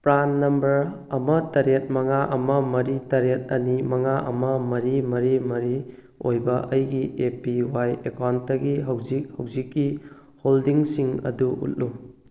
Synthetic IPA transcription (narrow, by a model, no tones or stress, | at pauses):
pɾanːɐmbɐɾ | ɐmɐtɐɾet̚mɐŋaʔɐmɐmɐɾitɐɾet̚ɐnimɐŋaʔɐ̰mɐmɐɾimɐɾimɐɾi | ojbɐʔɐjɡiepiwajekawntɐɡiɦɐwzik̚hɐwzikːi | holdiŋsiŋɐ̰duṵt̚lu